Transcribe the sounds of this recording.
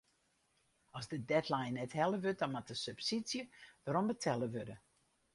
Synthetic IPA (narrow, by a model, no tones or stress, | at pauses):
ɔsdədɛtlajnːɛthɛlˠəʋøt̚dɔnmatəsøpsisjəʋaɾɔmbətʰɛlˠəʋødə